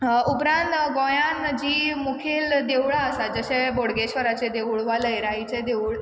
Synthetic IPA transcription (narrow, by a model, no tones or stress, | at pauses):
upɾãnt̪ɡõjãnd͡ʑiːmukʰeld̪eʋɭaəsad͡zəɕeboɽɡeɕʋəɾat͡sed̪eʋuɭʋaləjɾaɦit͡sed̪euɭ